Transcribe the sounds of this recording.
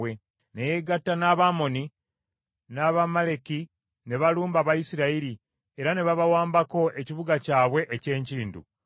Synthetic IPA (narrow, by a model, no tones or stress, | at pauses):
we | nejeɡatːanaβamo̞ni | naːβamaleki | ne̞βaluːmbaβajisiɾaiɾi | e̞ɾane̞βaβawaːmbako̞ʔe̞ciβuɡacaːβwe̞ʔece̞ːɲciːndṵ